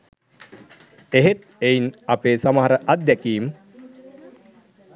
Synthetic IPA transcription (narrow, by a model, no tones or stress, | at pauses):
eɦet̪̚ejinapeːsaməɦaɾəʔad̪̚d̪ɛkiːm